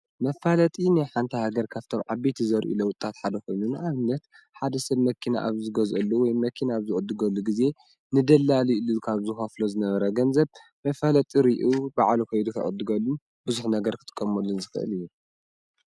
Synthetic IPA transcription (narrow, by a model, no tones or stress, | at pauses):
mɐfalɐt̪ʼinjħant̪ʰɐhaɡɐɾkʰaβt̪ʰomʕabet̪ʰizɐɾʔṵlɐwʊt̪ʼːat̪ħad̪ɐkʰo̞jnunaβɨnːɐt̪ | ħad̪ɐsɐβmɐkʰːina̰ʔa̰βzɨɡɐzʔɐlːuwɔjmɐkʰinaːβzɨʔʼɨd̪ɨɡɐlːuɡize̞ | nɨd̪ɐlːaliɨlːukʰaβzɨxɐflozɨnɐβɐɾɐɡɐnzɐβ | mɐfalɐt̪ʼiɾiʔubaʕlukʰɐjd̪ukʰɐ̰ʔʼɨ̰d̪ːɨɡɐlːu | bɨzuħnɐɡɐɾkʰɨ̥t̪ʼɨ̥kʼːɐmolːunzɨxɨʔɨ̰lɨjːu